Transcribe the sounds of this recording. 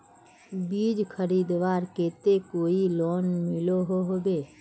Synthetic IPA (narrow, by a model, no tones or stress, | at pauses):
biːd͡ʒkʰəɾid̪ʋaːɾkeːt̪ekoːiloːnmɪloɦoɦobe